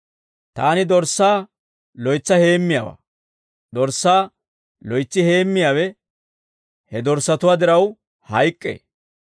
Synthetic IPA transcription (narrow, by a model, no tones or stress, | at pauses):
t̪aːnɪd̪ɔɾsːaː | lɔjt͡sːɐhe̞ːmːɪjaːwa̰ː | d̪ɔɾsːaː | lɔjt͡sːɪhe̞ːmːɪjaːwɛ | hɛd̪ɔɾsːɐt̪ʊwaːd̪ɪɾɐw | hɐjkʼːḛː